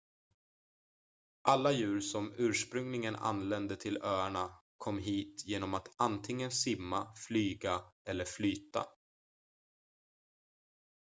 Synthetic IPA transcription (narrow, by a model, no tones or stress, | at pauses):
ʔalːajʉ̟ːɾsɔmʉ̟ːʂpɾɵŋlɪŋəna̰nːlɛnd̪ət̪ʰɪlœːaɳakʰɔmːɦiːt̪jeːnɔmat̪ant̪ʰɪŋːənsɪmːaflyːɡaɛlːəɾflyːt̪a̰